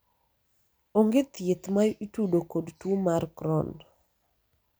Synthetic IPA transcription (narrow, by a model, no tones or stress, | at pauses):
oŋɡet̪jet̪majʔitudokodtumarkɾɔ̰n